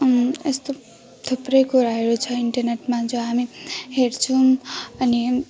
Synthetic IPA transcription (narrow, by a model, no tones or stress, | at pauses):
est̪o | t̪ʰoprʌjkuɾaɦeɾut͡sʰʌiɳʈʌrneʈmad͡zoɦamiɦeɾt͡sʰuʌni